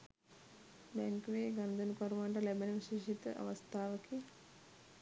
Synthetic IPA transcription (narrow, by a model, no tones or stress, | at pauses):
beŋkʋeːɡɐnd̪unkoɾmaːɳɖɐlebenɐʋiʃeːʂit̪ɐ̰ʔɐ̰ʋɐst̪ʰaːʋɐki